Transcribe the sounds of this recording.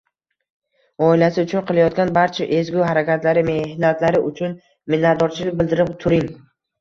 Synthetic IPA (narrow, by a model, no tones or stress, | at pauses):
ɒɪlasɪʊt͡ʃʰʊnqʰɨlˠajɒt̪̚ɡʲanbaɾt͡ʃʰaʔe̞zɡʲuɦaɾakʲʰat̪laɾɪme̞hnat̪ʰlaɾɪʔʊt͡ʃʰʊn | mɪnad̪ɒɾt͡ʃʰɪlɪbɪld̪ɪɾɪpt̪ʰʊɾɪŋ